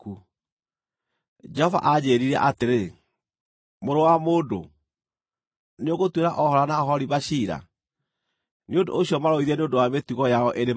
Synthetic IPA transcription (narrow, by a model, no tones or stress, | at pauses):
u | d͡ʒɛhɔva̰ʔad͡ʑeːɾiɾɛʔateɾe | moɾowamoːdo | neoɣotweɾaʔɔhɔɾanaɔɦɔɾiβaɕiɾa̰ | neondo̰ːɕiɔmaɾoiðɛneondowametuɣɔjaɔʔene